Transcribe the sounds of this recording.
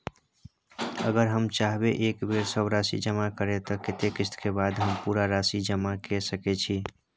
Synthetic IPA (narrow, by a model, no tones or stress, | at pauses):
ə̰ɡəɾɦəmt͡ʃaɦbeʔekbeɾsəbɾasḭd͡ʒəmakəɾet̪əket̪ekist̪ʰkebad̪ɦəmpuɾaɾasid͡ʒəmakesəkɛt͡ʃʰi